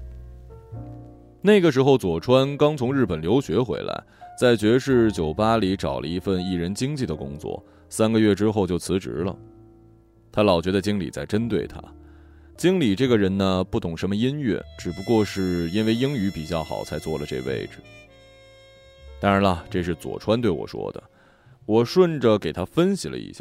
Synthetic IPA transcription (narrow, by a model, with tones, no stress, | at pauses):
ne˥˩ɡə˩ʂ̬ɻ̩˧˥xo˥˧ʊt͡swɔ˨˩ʈ͡ʂʰwa˥nkɑ˥ŋt͡sʰʊ˧˥ŋɻɻ̩˥˩pə˨˩nljo˧˥ʊɕɥɛ˧˥xwḛ˧˥ɪla̰˧˥ɪt͡sa˥˩ɪt͡ɕɥɛ˧˥ʂɻ̩˥˩t͡ɕjo˨˩ʊpa˥li˧˥ʈ͡ʂɑ˨˩ʊlʔə̰˦i˧˥fə˥˧ni˥˩ɻə˧˥nt͡ɕi˥ŋt͡ɕi˥˩d̪ə˩kʊ̰˥ŋt͡swɔ̰˥˩ | sa˥nɡə˧ɥɛ˥˩ʈ͡ʂɻ̩˥xo˥˧ʊt͡ɕjo˥˩ʊt͡sʰɹ̩˧˥ʈ͡ʂɻ̩̰˧˥lə̰˨ | t̪ʰa˥lɑ˨˩ʊt͡ɕɥɛ˧˥ə˧t͡ɕi˥ŋlḭ˨˩t͡sa˥˩ɪʈ͡ʂə˥nt̪we˥˩ɪt̪ʰa̰˥ | t͡ɕi˥ŋli˨˩ʈ͡ʂɤ˥˩ɡə˩ɻə˧˥nnə˧pu˥˩t̪ʊ˨˩ŋʂə˧˥mə˧i˥nɥɛ̰˥˩ʈ͡ʂɻ̩˨˩pu˧˥kwɔ˥˧ʂɻ̩˥˩i˥nwe˥˩ɪi˥ŋy˧˥pi˨˩t͡ɕjɑ˥˩ʊxɑ̰˨˩ʊt͡sʰa˧˥ɪt͡swɔ˥˩lə˩ʈ͡ʂɤ̰˥˧ʋḛ˥˧ɪʈ͡ʂɻ̩˩ | t̪aɑ˥ŋɻa˧˥nɐ˧ʈ͡ʂɤ˥˧ʂɻ̩˥˩t͡swɔ̰˨˩ʈ͡ʂʰwa˥nt̪we˥˩ɪwɔ̰˨˩ʂwɔ̰˥d̪ə̰˩ | wɔ˨˩ʂwə˥˩nʈ͡ʂə˨˩ke˨˩ɪt̪ʰa˥fə˥nɕḭ˨˩lə̰˧ḭ˧˩ɕjɑ̰˥˩